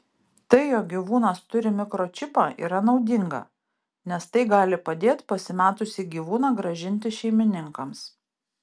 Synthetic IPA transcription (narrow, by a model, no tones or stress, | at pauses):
t̪ɐɪjoːkɡʲiʋuːnɐst̪ʊɾʲɪmʲɪkɾoːt͡ʃʲɪpɑːʔḭːɾɐnɒʊd̪ʲɪŋɡɐ̰ | nʲɛst̪ɐɪɡɑːlʲɪpɐd̪ʲeːt̪pɐsʲɪmʲæːt̪ʊsʲiːɡʲiːʋuːnɑɡɾɐʒʲɪnʲt̪ʲɪʃʲɛɪmʲɪnʲɪŋkɐms